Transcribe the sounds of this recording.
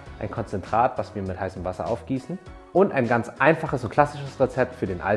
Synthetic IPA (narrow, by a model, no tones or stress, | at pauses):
ʔʔaɪnkʰɔnt͡sɛntʁ̥aːtv̥asv̥iːɐmɪthaɪsəmvasɐ̰ʔa̰ʊfɡ̥iːsn̩ | ʔʊntaɪnɡant͡sʔaɪnfaχəsʊnt̚kʰl̥asɪʃəsʁet͡sɛp̚tfyːɐdeːnʔa̰